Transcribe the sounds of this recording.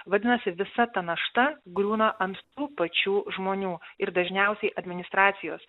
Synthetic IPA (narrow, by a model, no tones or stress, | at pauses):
ʋɐd̪ʲɪnɐsʲɪʋʲɪsɐt̪ɐnɐʃt̪ɐɡɾʲuːnɐʔɐnt̪t̪uːpɐt͡ʃʲuːʒmoːnʲuːɪɾd̪ɐʒʲnʲɛʊsʲɛɪʔɐd̪ʲmʲɪnʲɪst̪ɾɑːt̪sʲɪjo̰ːs